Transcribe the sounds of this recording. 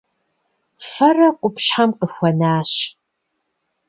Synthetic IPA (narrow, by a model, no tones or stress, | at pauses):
fɐrɐqʷʼʊpʃħamqʼəxʷɐnaːɕ